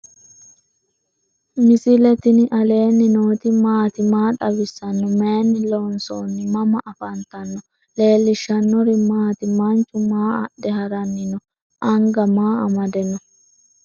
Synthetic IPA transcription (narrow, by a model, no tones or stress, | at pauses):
mɪsɪlɛt̪ɪnɪʔɐle̞ːnːɪnoːt̪ɪmaːt̪ɪmaːᶑɐbɪsːɐnːɔmeːnːɪlonsoːnːɪmɐmɐʔɐfɐnt̪ɐnːɔ | le̞ːlːɪʃːɐnːɔɾɪmaːt̪ɪmɐnt͡ʃʼːʊmaːɐ̰ɗɛɦɐɾɐnːɪnɔ | ʔɐŋɡɐmaːɐmɐd̪ɛnːɔ